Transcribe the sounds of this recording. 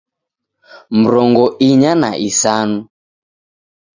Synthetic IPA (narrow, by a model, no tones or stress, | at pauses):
m̩ɾɔŋɡɔʔiɲana̰ʔisanu